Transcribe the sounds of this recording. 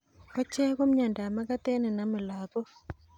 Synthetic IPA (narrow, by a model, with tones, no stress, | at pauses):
ɔ˦t͡ʃɛ˦ko˦mɲa˨nda˨ma˦ka˦t̪ɛ˦nɛ˨na˨mɪ˨la˨ðɔ˦